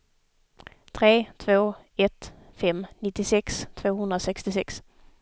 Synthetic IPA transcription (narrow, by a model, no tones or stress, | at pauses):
t̪ʰɾeːt̪ʰvoː | ɛt̪ | fɛmnɪt̪ːɪsɛkst̪ʰvoːhɵnd̪ɾasɛkst̪ɪsɛks